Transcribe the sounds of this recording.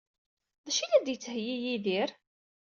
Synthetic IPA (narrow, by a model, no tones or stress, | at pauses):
ðˤɑʃilæd̪jət͡sːhjijiðiɾ